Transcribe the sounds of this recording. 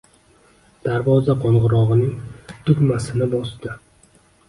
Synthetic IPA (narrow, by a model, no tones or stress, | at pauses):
d̪̥aɾvɒzaqʰɒɴʁɨɾɒʁɨnɪŋt̪ʊkʲmasɪnɪbɒsd̪ɪ